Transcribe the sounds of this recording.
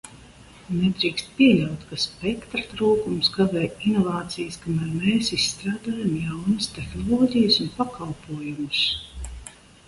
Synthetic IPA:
ned̪ɾiːkst̪̚piɛlʲawt̪kaspɛkt̪ɾat̪ɾuːkumsɡavɛːinɔvaːt̪sijəskamæːɾmeːsisːt̪ɾaːd̪aːjamjawnɨst̪ɛxnɔllˠɔːɟʲijəsunpakalˠpuɔjumʊs

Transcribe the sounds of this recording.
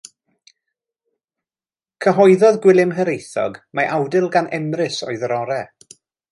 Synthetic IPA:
kʰəɦɔɨðɔðɡwɪlˠɪmɦəɾejθɔ̰ɡmaʔawdɪlˠɡanʔɛmrɪsɔ̰ɨðɾɔɾɛ

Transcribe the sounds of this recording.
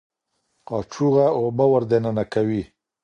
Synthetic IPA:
qɑt͡ʃuɣaobawaɾd̪enanakawi

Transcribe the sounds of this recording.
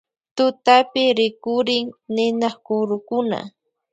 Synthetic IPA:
t̪ʊt̪apɪɾɪkʊɾɪŋnɪnɑχkʊɾʊkʊna̰

